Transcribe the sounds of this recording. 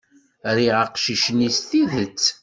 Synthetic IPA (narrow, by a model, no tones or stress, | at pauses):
ɾiʁəqʃiʃnisθiðət͡sː